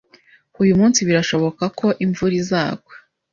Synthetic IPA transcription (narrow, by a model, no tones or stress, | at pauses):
ujumuːnsiβiɾaʃo̞βo̞kakʰo̞ʔiɱvuɾizaːɡwe